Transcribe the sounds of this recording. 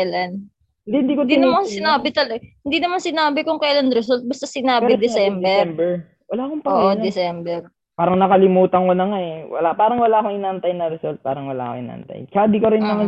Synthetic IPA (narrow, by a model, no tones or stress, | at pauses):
lɐn | d̪hɪnd̪iːkod̪inɐmansɪnaːbɪt̪ɐlɐɡhɪnd̪iːnɐmansɪnaːbɪkʊŋkɐʔlɐnɾɛsolt̪̚bɐst̪ɐsɪnaːɪd̪ɛsɛmbɛmbɛɹ | wɐlaːkoŋpɐoʔod̪ɛsɛmbɛɾ | paːɾɐŋnɐkɐlɪmuːt̪ɐŋkonɐŋaɛwɐ̰lapaːɾɐŋwɐlaːkoŋɪnaʔɐnt̪ajnɐɾɛsolt̪̚pa̰ːɾɐŋwɐla̰ːkoŋʔɪ̰na̰ʔɐ̰nt̪a̰jkaːd̪ikoɾɪnːɐman